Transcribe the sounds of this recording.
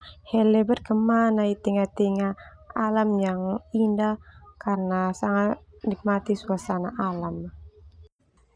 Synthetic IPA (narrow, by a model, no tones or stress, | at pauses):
hɛlɛbərkəmanait̪iŋat̪iŋaalamjaŋindahkarənasaŋat̪̚nik̚mat̪isuasanaʔalam